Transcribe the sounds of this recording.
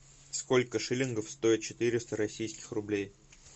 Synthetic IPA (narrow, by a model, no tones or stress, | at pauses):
sko̞lʲkəʂɨlʲɪnɡəfst̪o̞ɪt̪̚t͡ɕɪ̥t̪ɨɾʲɪst̪əɾɐsʲijskʲɪ̥xrʊblʲej